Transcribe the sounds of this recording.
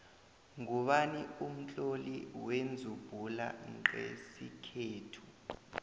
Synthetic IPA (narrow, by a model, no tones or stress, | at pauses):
ŋuɓanium̩t͡ɬʼoliwend͡zʱub̥ʱula̰ǃḛsikʰeːtʰu